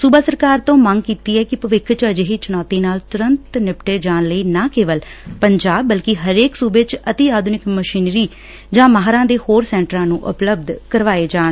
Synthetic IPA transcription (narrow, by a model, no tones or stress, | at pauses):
suːbaːsəɾkaːɾt̪õːməŋɡkiːt̪iːɛːkɪpəʋɪkʰt͡ʃəd͡ʒɦiːt͡ʃʊnɔːt̪iːnaːlt̪ʊɾənt̪nɪpʈeːd͡ʒaːnləiːnaːkeːʋəlpəɲd͡ʒaːbːəlkɪɦəɾeːksuːbeːt͡ʃət̪iːaːd̪ʱnɪkməʃiːnɾiː | d͡ʒãːməɦɾãːd̪eːhoːɾsɛ̃ːɳʈəɾãːnũːʔʊ̰pləb̚d̪kəɾʋaːeːd͡ʒaːn